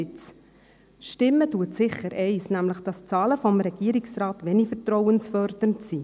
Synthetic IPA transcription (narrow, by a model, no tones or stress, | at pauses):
ɪt͡s | ʃtɪmːətuətsɪχəɾʔɛɪsnæmləχd̥ɑst͡sɑːləfɔmɾɛɡ̥iːəɾɪksrɑːt̪ʋɛnifəɾtrɔwənsfœrd̥əntsi